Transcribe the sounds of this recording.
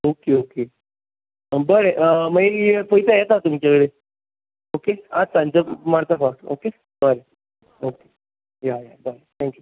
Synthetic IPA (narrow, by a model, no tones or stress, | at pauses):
okeoke | bəɾeʔəməeefəjit̪ajet̪at̪umt͡ɕaʋeɽe | okead͡zt̪ãɲt͡ɕəmaɽt̪afaʈo̰ke | bəɾe | oke̥ | jajabəɾet̪ʰɛ̃ŋkju